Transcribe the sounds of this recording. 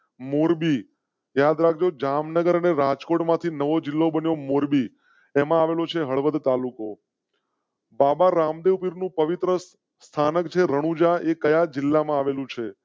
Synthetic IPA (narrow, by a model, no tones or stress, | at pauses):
moɾbi | jad̪ɾak̚ʰd͡ʒod͡ʒamnəɡəɾəneɾad͡ʒkoʈmãt̪ʰinəʋod͡ʒɪlːobənjomoɾbi | emãaʋelot͡ʃʰeɦəɭʋəd̪t̪aluko | babaɾamd̪eʋpiɾnũpəʋit̪ɾə | st̪ʰanəkt͡ʃʰeɾəɽ̃ũd͡ʒaʔekəjad͡ʒɪlːamãaʋelũt͡ʃʰe